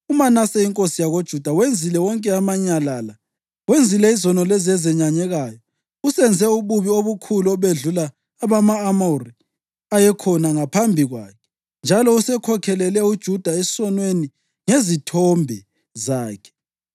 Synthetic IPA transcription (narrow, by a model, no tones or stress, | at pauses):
umanasɛiŋkʼosijaɣod̥ʒ̥ʱud̥ʱawend͡zʱilɛwɔŋkʼɛamaɲalaːla | wend͡zʱilɛizɔnɔlɛzɛzɛɲaɲɛɣajɔ | usɛnd͡zʱɛuβuβioβukʰuluɔβeɮulaː | βamaːmori | ajɛkʰɔnaŋapʰambʱiɣwa̰ːkʰɛ̥ | nd͡ʒʱalɔusɛkʰɔkʰɛlɛlɛud̥ʒ̥ʱud̥ʱae̥sɔnweni | ŋezitʰɔmbʱɛ | zaːkʰɛ̥